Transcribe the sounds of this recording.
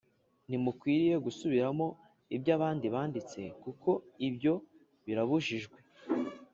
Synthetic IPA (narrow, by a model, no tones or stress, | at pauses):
nimukwiːɾije̞ɡusuβiɾamo̞ | ibɟaːβaːndiβaːndit͡se̞̰kukʰo̞ibɟo̞ | βiɾaβuʒiʒɡwe